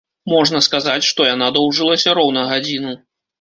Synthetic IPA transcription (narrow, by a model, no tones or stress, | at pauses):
mɔʐnɐskazat͡sʲʂt̪ɔjan̪ad̪ɔwʐɨlˠɐsʲɐɾɔwnɐɣad͡zʲinu